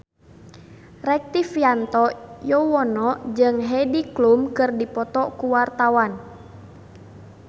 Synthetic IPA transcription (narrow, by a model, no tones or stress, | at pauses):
rɛk̚t̪ifiant̪ɔjɔwɔnɔd͡ʒɨŋɦɛdiklumkɨrdipɔt̪ɔkuwart̪awan